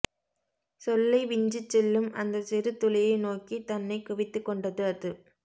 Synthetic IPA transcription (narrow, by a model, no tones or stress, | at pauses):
sɔlːɐɪʋɪɲd͡ʒɯt͡ʃːɛlːɯmʔɐnd̪ɐsɪɾɯt̪ːʊlɐjɐɪnoːkit̪ɐnːɐɪkʊʋɪt̪ːɯkːɔɳɖɐðɯɐðɯ